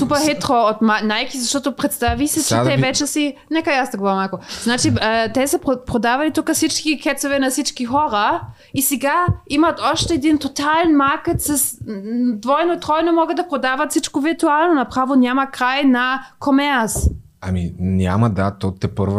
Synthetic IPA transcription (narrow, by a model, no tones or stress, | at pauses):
supɛxɛt̪ɾoot̪manajkizɐʃt̪ɔt̪opɾɛt̪st̪avisɛt͡ʃɛd̪ɛvɛt͡ʃɛsinɛkajast̪aɡɔvamakoznat͡ʃiət̪ɛsɐpopɾod̪avalit̪okafsit͡ʃkikɛt̪sovɛnasit͡ʃkixɔɾa | isɛɡaimat̪ɔʃt̪ɛɛd̪int̪ot̪alɛnmakɛt̪sɐsd̪vɔjnot̪ɾɔjnomɔɡad̪d̪ɐpɾod̪avat̪sit͡ʃkoviɾt̪ualˠnonapɾavonʲamakɾajnakʰomɛas | a̰minʲa̰mad̪at̪ot̪ːɛpəɾv